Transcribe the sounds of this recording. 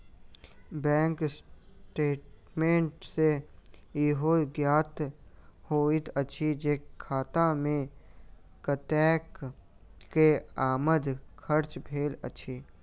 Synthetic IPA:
bɛ̃ːŋksʈeːʈmẽːɳʈse | iɦoɡjaːt̪hoːɪt̪ət͡ʃʰid͡ʒeːkkʰːaːt̪ãmẽ | kət̪ɛːk | keaːməd̪kʰəɾt͡ʃbʰʱeːlə̰t͡ʃʰiː

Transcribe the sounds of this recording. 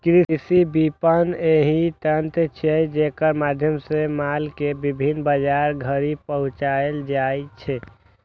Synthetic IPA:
kɾisibipəneɦĩt̪ənt̪t͡ʃʰɛd͡ʒekəɾmad̪ʱjəmsẽmalkebibʱinbəd͡ʒaɾɡʱəɾipəɦũt͡ʃaeld͡ʒajt͡ʃʰɛ

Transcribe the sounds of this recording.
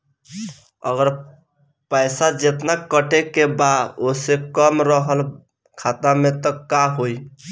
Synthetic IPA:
əɡəɾ | pəɪsad͡ʒet̪nakːəʈekebad̪oseb̚kəmɾəɦəl | kʰat̪amet̪ɔkaɦoj

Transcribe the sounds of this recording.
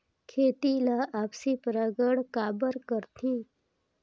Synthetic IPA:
kʰeːt̪ilaʔaːpsipəɾaɡəɽkaːbəɾkəɾt̪ʰĩ

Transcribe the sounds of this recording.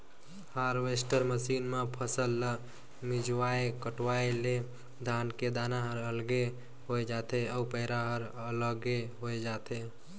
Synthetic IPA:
haɾʋesʈəɾməsinmepʰəsəlːə | mid͡ʒwaekəʈwaele | d̪ʱanked̪anaɦəɾəlɡe | ɦoed͡ʒat̪eəupəɪɾaɦəɾ | ələɡeɦoed͡ʒat̪ʰe

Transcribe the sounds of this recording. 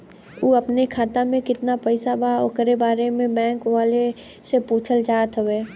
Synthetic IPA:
uːəpnekʰaːt̪amẽkɪt̪napɛɪsabʱao̰kɾebaːɾemẽbɛ̃ːŋkʋaːle | sepuːt͡ʃʰəld͡ʒaːt̪ɦʊʋeː

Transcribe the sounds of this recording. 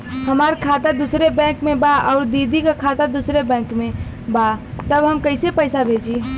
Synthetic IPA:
həmaɾkʰat̪ad̪usɾebɛ̃kmebaɔʊɾd̪id̪ikekʰat̪ad̪usɾebɛ̃kme | bat̪əbɦəmkəɪsepəɪsabʱed͡ʒi

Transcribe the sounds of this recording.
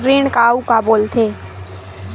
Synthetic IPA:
ɾɪːɳkaːukaboːlt̪ʰeː

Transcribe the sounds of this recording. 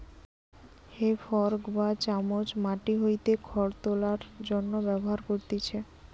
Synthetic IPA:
hefɔɾkbat͡ɕamod͡ʑmaʈiɦojt̪ekʰɔɾt̪olaɾd͡ʑonːobɛboɦaɾkoɾt̪it͡ɕʰe

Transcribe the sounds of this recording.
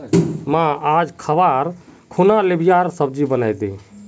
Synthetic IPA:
mãad͡ʒkʰəbaɾkʰunalebʱɪjaɾsəb̚d͡ʒibənajd̪eː

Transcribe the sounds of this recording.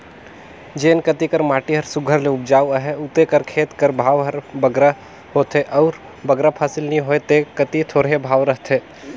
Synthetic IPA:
d͡ʒeːnkət̪ikəɾmaːʈiɦəɾsʊɡʱəɾleʊbd͡ʒaːʋəɦeʊt̪ekəɾkʰeːt̪kəɾbʱaːʋɦəɾbəɡɾa | hoːt̪eʔɔːɾ | bəɡɾapʰaːsɪlnĩɦoːet̪ekət̪it̪ʰoːɾɦebʱaːʋɾəɦt̪ʰe

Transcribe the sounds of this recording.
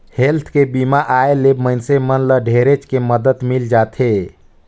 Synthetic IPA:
helt̪ʰkebimaʔaelemənsemənləɖʱeɾet͡ʃkeməd̪ət̪mild͡ʒat̪ʰe

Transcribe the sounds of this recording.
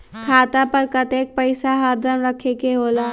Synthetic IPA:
kʰaːt̪apɐɾkɐt̪eːk̚pɐɪsaɦaːd̪ʱəɾmɾɐkʰekeɦoːlaː

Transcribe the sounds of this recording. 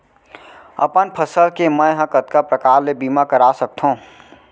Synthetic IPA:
ɐ̰pənpʰəsəlkemə̃ɦɐ̃kət̪kapɾɐkaːɾlebiːmakɐɾaːsɐk̚t̪ʰɦõː

